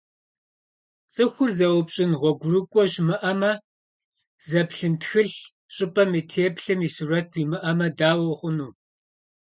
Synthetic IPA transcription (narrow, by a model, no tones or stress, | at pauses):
t͡sʼɨxʷʊrzɐwpɕʼɪnʁʷɔɡʷʊrɨkʷʼɔɕmɨʔɐmɐ | zɐpɬɨntxɨɬ | ɕʼɨpʼɐmiːtʰeːpɬɨmiːsuːɾɐt̚ʰwiːmɨʔɐmɐdaːwɐχʷʊnuː